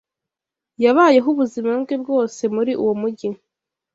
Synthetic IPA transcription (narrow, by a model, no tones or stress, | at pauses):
jaβaːje̞ɦuβuzimabɡeb̚ɡo̞ːse̞muɾiʔuwomuɟi